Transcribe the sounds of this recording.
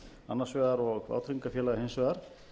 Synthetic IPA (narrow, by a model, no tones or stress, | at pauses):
a̰nːaɾ̥svɛːɣaɾɔɣa̰ːwt̪ʰɾiŋkafjɛːlaɣhejmsvɛːɣaɾ̥